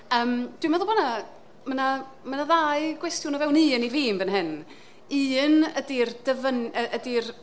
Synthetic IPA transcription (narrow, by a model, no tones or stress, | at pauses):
əːmd̥wɪmaðɔbɔna | məna | mənaðaɨɡwɛstjʊnɔvɛwniːəniviːmbənɦɨn | ɨːnədird̥əvənəʔədir